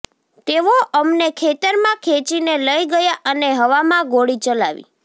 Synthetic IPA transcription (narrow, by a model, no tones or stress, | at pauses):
t̪eʋoʔəmnekʰet̪əɾmãkʰet͡ʃineləjɡəjaʔəneɦəʋamãɡoɽit͡ʃəlaʋḭ